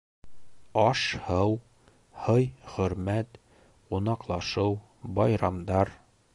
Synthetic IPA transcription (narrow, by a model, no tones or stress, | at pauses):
ɒʃhɤw | hɤjχɵ̆ɾmæt̪ | qunɑqlˠɑʃɤw | bɒjɾɑmd̪ɑɾ